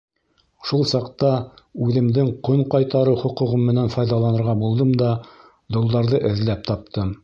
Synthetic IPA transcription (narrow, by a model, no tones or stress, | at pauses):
ʃulˠsɑqt̪ɑʉðɘ̆md̪ɘŋqoɴqɑjt̪ɑɾɤwχŏqŭʁɤmːɘ̆nænfɑjðɑlˠɑnɤ̆ɾʁɑbulˠd̪ɤmd̪ɑ | d̪ŏlˠd̪ɑɾðɤʔɘ̆ðlæp̚t̪ɑp̚t̪ʰɤm